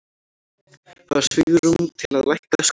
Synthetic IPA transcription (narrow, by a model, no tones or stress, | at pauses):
θaðɾ̥svɪɣɾʏmt̪ʰɪlaðlajht̪as